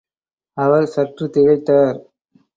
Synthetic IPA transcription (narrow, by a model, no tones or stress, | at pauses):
ɐʋɐɾsɐʈrɯt̪ɪɻɐɪt̪ːaːɾ